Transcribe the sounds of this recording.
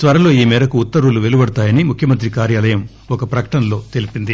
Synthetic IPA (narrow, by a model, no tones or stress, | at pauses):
t̪ʋɐɾɐlo̞ːiːmɛːɾɐkuːt̪ːɐɾuluʋelubɐɽut̪aːjɐnimukʰjɐmɐnt̪ɾikaːɾjaːlɐjɐm | ɔkɐpɾɐkɐ̥ʈɐnlo̞ːt̪e̞lipind̪i